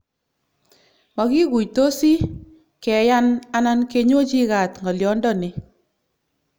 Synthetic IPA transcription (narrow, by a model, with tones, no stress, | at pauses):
mɔ˨ki˦ɡu˨jto˦si˦ | kɛ˨ja˦na˦na˦nke˦ɲwo˦t͡ʃi˦ka˨tŋɔ˨ljɔ˨˦ndɔ˦nɪ˨